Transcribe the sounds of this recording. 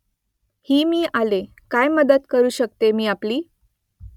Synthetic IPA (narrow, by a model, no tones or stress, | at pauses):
hiːmiːale | kajməd̪ət̪kəɾuːɕəkt̪emiːapliː